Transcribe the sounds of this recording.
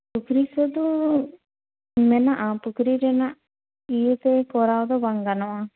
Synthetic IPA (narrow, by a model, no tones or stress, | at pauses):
pukɾisɔd̪u | mɛnaʔapukɾiɾɛnaʔ | ijet̪ɛkɔɾawd̪ɔbaŋɡanɔwa